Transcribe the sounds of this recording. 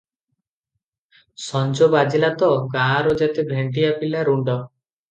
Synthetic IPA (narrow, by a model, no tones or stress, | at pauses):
sɔnd͡ʒobad͡ʒilat̪ɔɡãɾod͡ʒat̪ebʱɾeɳʈiapilaɾuɳɖɔ